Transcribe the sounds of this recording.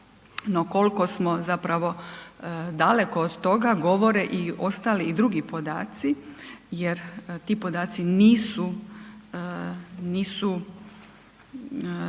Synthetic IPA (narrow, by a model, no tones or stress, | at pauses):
no̞ko̞lko̞smo̞zapɾaʋo̞ | d̪ale̞koːd̪t̪o̞ɡaɡo̞ʋo̞ɾeʔio̞st̪aliːd̪ɾuɡipo̞d̪a̰ːt̪sije̞ɾt̪iːpo̞d̪aːt̪siniːsu | niːsu